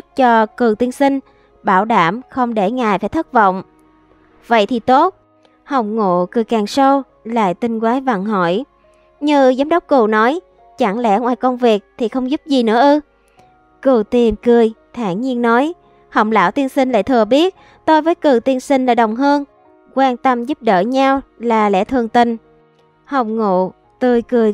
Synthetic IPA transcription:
t̚t͡ɕɔ˧kɨ˨˩t̪i˧ənsi˧ŋ̟ | ɓaː˧˩wɗaː˧˩mxə˧wŋ͡mɗe˧˩ŋaː˨˩jfaː˧˩jt̪ʰɨ˦˥t̚və̰˧˨wŋ͡m | və̰˧˨jt̪ʰi˨˩t̪o˦˥t̚ | hə˨˩wŋ͡mŋo̰˧˨kɨ˨˩əjkaː˨˩ŋsə˧w | la̰ː˧˨jt̪ï˧ŋ̟kwaː˨˦jva˧˩ŋɦɔ̰˧˩˨j | ɲɨ˧zaː˨˦mɗə˦˥wk͡p̚kɨ˨˩wnɔ˨˦j | t͡ɕa˧˩ŋlɛ̰˧˥ʔə˧wʔaː˧˩jkə˧wŋ͡mvi˨˩ək̚t̪ʰi˨˩xə˧wŋ͡mzʊ˦˥p̚zi˨˩nɨ̰˧˥əʔɨ˧ | ku˨˩t̪i˨˩mkɨ˨˩əjt̪ʰa̰ː˧˩ŋɲi˧ənːɔ˨˦j | hə˨˧˩wŋ͡m̚la̰ː˧˥wt̪i˧ənsï˧ŋ̟la̰ː˧˨jt̪ʰɨ˨˩əɓi˦˥ət̚ | t̪o˧jvəː˨˦jkɨ˨˩t̪i˧ənsï˧ŋ̟laː˨˩ɗə˨˩wŋ͡mɦəː˧n | kwaː˧nt̪ə˧mzu˦˥p̚ɗə̰ː˧˩ɲa˧wlaː˨˩lɛ̰˧˥t̪ʰɨ˨˩əŋt̪ï˨˩ŋ̟ | hə˨˩wŋ͡m̚ŋṵ˧˨ | t̪ɨ˨˩əjkɨ˨˩əj

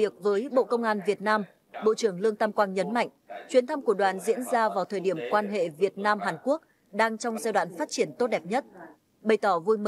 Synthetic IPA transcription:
i˨˩ək̚vəː˨˦jɓo̰˧˨kə˧wŋ͡mʔaː˧nvi˨˩ət̚naː˧m | ɓo̰˧˨t͡ɕɨ˧˩əŋlɨ˧əŋt̪aː˧mkwaː˧nɲə˨˦nma̰˧˨jŋ̟t͡ɕwi˨˦ənt̪ʰa˧mku˧˩əɗwaː˨˦nzḭ˧˥ənzaː˧vaː˨˩wt̪ʰəː˨˩jɗi˧˩əmkwaː˧nɦḛ˧˨vi˨˩ət̚naː˧mɦaː˨˩nku˦˥ək̚ | ɗaː˧ŋt͡ɕɔ˧wŋ͡mzaː˧wɗwa̰ː˧˨nfaː˦˥t̚t͡ɕi˧˩ənt̪o˦˥t̚ɗɛ˨˩p̚ɲə˦˥t̚ | ɓə˨˩jt̪ɔ˧˩vu˧jmə˧

